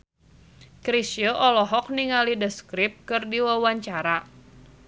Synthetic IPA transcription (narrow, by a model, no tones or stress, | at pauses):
kɾisjəʔɔlɔɦɔk̚niŋalidəskɾɪp̚kɨrdiwawaɲt͡ʃaɾa